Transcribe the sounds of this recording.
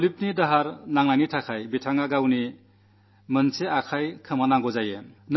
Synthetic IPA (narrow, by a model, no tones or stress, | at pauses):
lip̚nidaɦaɾnaŋnajnitʰakʰajbitʰaŋaɡawni | mɯnseakʰajkʰɯmanaŋɡɔzajen